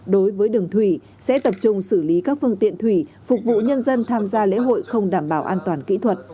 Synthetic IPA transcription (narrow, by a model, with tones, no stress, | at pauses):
ɗo˨˦jvəː˨˦jɗɨ˨˩əŋt̪ʰwi˧˩ | sɛ̰˧˥t̪ə˨˩p̚t͡ɕʊ˧ŋ͡msɨ˧˩li˨˦kaː˦˥k̚fɨ˧əŋt̪ḭ˧˨ənt̪ʰwi˧˩ | fʊ˨˩k̚vṵ˧˨ɲə˧nzə˧nt̪ʰaː˧mzaː˧lḛ˧˥ɦo̰˧˨jxə˧wŋ͡mɗaː˧˩mɓaː˧˩wʔaː˧nt̪waː˨˩nkḭ˧˥t̪ʰwə˨˩t̚